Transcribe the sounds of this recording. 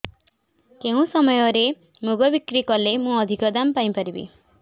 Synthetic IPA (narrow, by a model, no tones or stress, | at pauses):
keũsɔmɔjɔɾe | muɡɔbikɾikɔlemũɔd̪ʱikɔd̪ampaĩpaɾibḭ